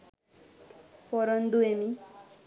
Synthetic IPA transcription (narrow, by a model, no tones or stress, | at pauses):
pɔɾʌnd̪uemi